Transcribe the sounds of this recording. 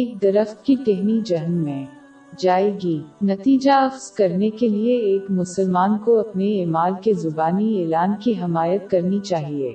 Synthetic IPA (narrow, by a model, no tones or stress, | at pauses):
eːk̚d̪ɐɾəxt̪̚kit̪eɦnid͡ʒɐɦnmẽ | d͡ʒaːeːɡinɐt̪iːd͡ʒaɐfz̥kɐɾnekelieeːkmʊsəlmaːnkoɐpneeːmaːlkezʊbaːnieːlaːnkiɦɪmaːjət̪̚kɐɾnit͡ʃaːɦiḛː